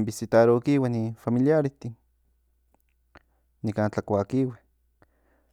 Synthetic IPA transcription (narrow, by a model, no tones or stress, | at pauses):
mbisit̪aɾokiwanifamiliaɾiht̪in | nikaːnt͡ɬakʷakiwe